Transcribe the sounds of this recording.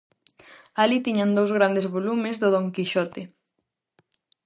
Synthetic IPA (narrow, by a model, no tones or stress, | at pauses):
alit̪iɲand̪owzɣ̞ɾand̪ezβolumezðʊðoŋkiʃɔt̪e